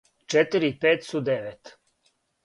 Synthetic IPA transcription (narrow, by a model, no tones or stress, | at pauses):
t͡ʃɛt̪ɨɾiipeːt̪sud̪eʋet̪